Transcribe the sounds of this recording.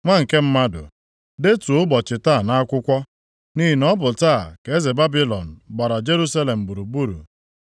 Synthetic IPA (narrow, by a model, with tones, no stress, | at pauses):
ŋʷa˦ŋ̩˨ke˦m̩˦ma˦dʊ̰˨ | de˦tu˨ʊ˦bɔ˨t͡ʃɪ˨ta˦˨na˦a˦kʷʊ˦kʷɔ˦ | ni˦ɦi˨nɔ˦bʊ˨taː˦˨ke˨˦e˦ze˨ba˦bi˦lɔ˨n̩˨ba˨ɾa˨d͡ʒe˦ɾu˦sa˦le˨m̩˨bu˨ɾu˨bu˦ɾṵ˨